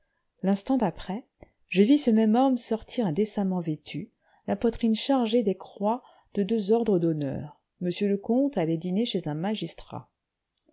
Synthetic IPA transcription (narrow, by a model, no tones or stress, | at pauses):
lɛ̃st̪ɑ̃d̪apχɛ | ʒəvisəmɛmɔmsɔʁt̪ʰiʁɛ̃d̪esamɑ̃vet̪ʰy | lapwat̪χinʃaʁʒed̪ekχwa | d̪̥əd̪øzɔʁd̪ʁəd̪ɔnœ̰ːʁ | məsjələkɔ̃t̪alɛd̪ineʃezɛ̃maʒist̪χa̰